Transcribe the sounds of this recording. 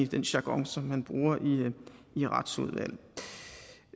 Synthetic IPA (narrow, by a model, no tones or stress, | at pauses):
id̥enɕɑ̈ɡ̥ɒ̽ŋsɒ̽mhænb̥ʁuːɐʔiː | ʁɑ̈d̥suðˠʋæ̰l̰